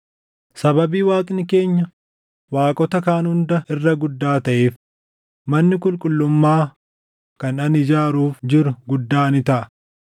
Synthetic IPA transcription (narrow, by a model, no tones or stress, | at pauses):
sɐbɐbiːwaːkʼnɪke̞ːɲːɐ | waːkʼɔt̪ɐkaːnhʊnd̪ɐʔɪrːɐɡʊd̪ːaːt̪ɐʔeːf | mɐnːɪkʼʊlkʼʊlːʊmːaː | kɐnɐnɪd͡ʒaːɾuːfd͡ʒɪɾʊɡʊd̪ːaːnɪt̪ɐʔɐ̥